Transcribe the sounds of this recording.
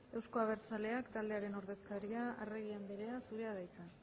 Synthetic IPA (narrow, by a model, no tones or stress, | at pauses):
e̞wsko̞aβ̞e̞ɾt͡sale̞akt̪ald̪e̞aɾe̞no̞ɾðe̞skaɾiaa̰reɣiambeɾe̞asuɾe̞aðajt͡sa